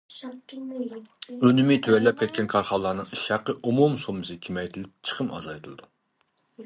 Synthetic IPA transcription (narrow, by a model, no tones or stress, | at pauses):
ønymɪt̪ʰøwɛlːɛp̚kʲʰɛt̪̚kʲʰɛnkʰɑɾχɑlˠːɑːnɨŋiʃɑqəʔumumsomɨsɨkʲʰimɛjt̪ʰɪlɪp̚t͡ʃʰə̥qʰəmɑ̰zɑjt̪ʰɨlˠɨd̪u